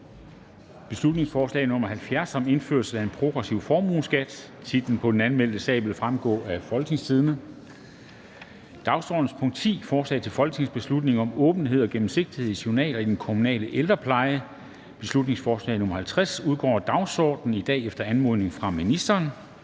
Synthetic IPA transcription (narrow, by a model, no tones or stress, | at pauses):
b̥e̝slud̥ne̝ŋsfɒːslɛ̰ɪnɔ̽mɐhælfjæɐsɒ̽me̝nføɐ̰̥sæenpʰʁo̝ɡ̥ʁɛsiʊ̰fɒːmṵːnsɡ̥æd̥ | t͡sʰid̥n̩pʰɒ̽d̥enænmel̰d̥əsɛ̰ːʋe̝lfʁamɡ̥ɔ̰̽ːæfɒ̽l̥t͡sʰe̝ŋsʰiːð̞ˠnə | d̥ɑ̈ʊsɒ̰ːd̥n̩spʰɔ̽ŋ̰d̥t͡sʰḭːfɒːslɛ̰ːɪt͡sʰe̝lfɒ̽lɡ̥t͡sʰe̝ŋsb̥e̝slud̥ne̝ŋɒ̽mɔ̽ːb̥n̩ɦe̝ð̞̰ˠɒ̽ɡ̥em̩se̝ɡ̥̚d̥ihe̝ð̞̰ˠisinɛ̰ːlɐid̥enkʰomunɛ̰ːləʔeld̥ʁɐpʰlɑ̈ɪə | b̥e̝slud̥ne̝ŋsfɒːslɛ̰ɪnɔ̽mɐhælt͡sʰʁasuð̞ˠɡ̥ɒ̰ːd̥ɑ̈ʊsɒ̰ːd̥n̩id̥ɛ̰ːefd̥ɐænmo̝ðˠne̝ŋfʁɑ̈minisd̥ɐːn